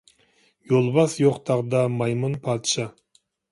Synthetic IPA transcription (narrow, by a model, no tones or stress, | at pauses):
jolˠbɑsjoqt̪ʰɑʁd̪ɑmɑjmɑnpʰɑt̪ʃɑ